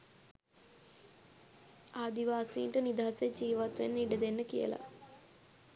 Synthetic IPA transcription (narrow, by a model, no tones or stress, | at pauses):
aːd̪iʋaːsḭːɳʈɐnid̪aːsed͡ʒiːʋat̪ʋɐ̰niɖɐd̪enːɐkijɐ̰lɐ̰